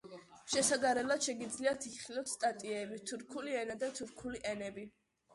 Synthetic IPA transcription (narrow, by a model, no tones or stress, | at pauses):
ʃɛsaɡaɾɛlˠad̪̥ʃɛɡid̪zliat̪ʰiχilˠɔt̪st̪ʼat̪ʼiɛbit̪ʰuɾkʰuliɛnad̪at̪ʰuɾkʰuliʔɛnɛbi